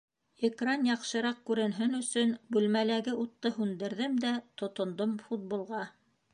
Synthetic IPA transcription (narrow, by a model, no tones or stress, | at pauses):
ekranjɑqʃɤ̆ɾɑq̚kʉɾɘ̆nɦɘnɵ̆sɵnbʉlmælæɡɘut̪ːɤɦʉnd̪ɘ̆ɾðɘmd̪æt̪ŏt̪ŏnd̪omfut̪̚bulˠʁɑ